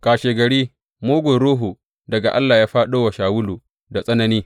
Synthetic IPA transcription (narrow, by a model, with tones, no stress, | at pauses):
kaː˨ʃeː˨ɡɐ˨ɽiː˦ | moː˦ɡʷʊ˨nɽuː˦ɦu˨ | dɐ˨ɡa˨ʔa˦lːaː˨jaː˦ɸaː˦ɗoː˦wa˨ʃaː˨wʊ˦luː˨ | da˨sʼɐ˦nɐ˨niː˦